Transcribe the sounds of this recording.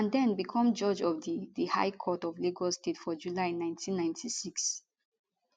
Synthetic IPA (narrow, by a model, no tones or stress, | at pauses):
ãndɛ̃nbikʰɔ̃md͡ʒɔd͡ʒɔvdidiha̰ɪkʰɔtɔvliɡɔstetfɔd͡ʒulaɪnãɪ̃ntʰĩnːãj̃ntʰisiks